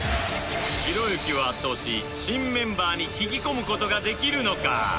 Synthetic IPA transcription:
çiɾo̞jokʲiβaat̪ːo̞ːɕi | ɕĩmːẽ̞mbaːɲ̟içiɡʲiko̞mɯ̟ko̞t̪o̞ɡad̪e̞kʲiɾɯ̟no̞ka̰

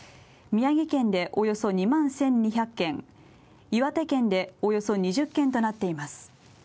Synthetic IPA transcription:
mʲiaɡʲikẽ̞nd̪e̞ʔo̞jo̞so̞ɲ̟imãɰ̃sẽ̞ɲ̟ɲiçakːẽ̞ŋ | iβat̪ekẽ̞nd̪e̞o̞jo̞so̞ɲ̟iʑɨkːẽ̞nt̪o̞nat̪ːe̞imasɨ̥

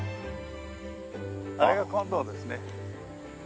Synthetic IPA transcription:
aɾeɡakãnd̪oːd̪esɨne

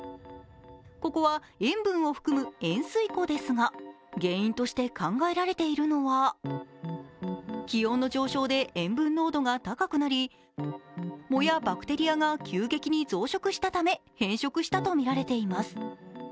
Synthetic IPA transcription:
ko̞ko̞βa | ẽ̞mbɯ̟̃ɰ̃o̞ɸɯ̥kɯ̟mɯ̟ẽ̞ɰ̃sɨiko̞d̪e̞sɨŋa | ɡẽ̞ːĩnt̪o̞ɕi̥t̪e̞kãŋɡae̞ɾaɾe̞t̪e̞iɾɯ̟no̞βa | kʲijo̞ːnːo̞d͡ʑo̞ːɕo̞ːd̪e̞ʔẽ̞mbɯ̟̃nːo̞ːd̪o̞ɡat̪akakɯ̟naɾʲi | mo̞jabakɯ̟̥t̪e̞ɾʲijaɡakʲʰɨːɡe̞kʲiɲ̟izo̞ːɕo̞kɯ̟ɕi̥t̪at̪ame̞hẽ̞ɰ̃ɕo̞kɯ̟ɕi̥t̪at̪o̞mʲiɾaɾe̞t̪e̞imasɨ̥

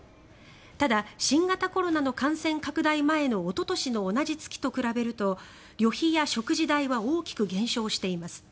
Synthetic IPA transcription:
t̪ad̪aɕĩŋɡat̪ako̞ɾo̞nano̞kãɰ̃sẽ̞ŋkakɯ̟d̪aimae̞no̞ːt̪o̞t̪o̞ɕino̞ːnaʑit͡sɨ̥kʲi̥t̪o̞kɯ̟ɾabe̞ɾɯ̟t̪o̞ | ɾʲo̞çijaɕo̞kɯ̟ʑid̪aiβao̞ːkʲi̥kɯ̟ɡẽ̞ɰ̃ɕo̞ːɕi̥t̪e̞imasɨ̥

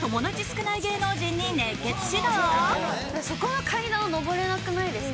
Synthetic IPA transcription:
t̪o̞mo̞d̪at͡ɕisɨ̥kɯnaiɡe̞ːno̞ːʑĩɲ̟ːineɡe̞t͡sɨ̥ʑid̪o | so̞ko̞βakʰainaono̞bo̞ɾe̞nakɯ̟naid̪e̞sɨ

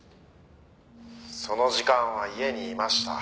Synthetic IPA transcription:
so̞no̞ʑikãɰ̃βaie̞ɲ̟iːmaɕi̥t̪a̰

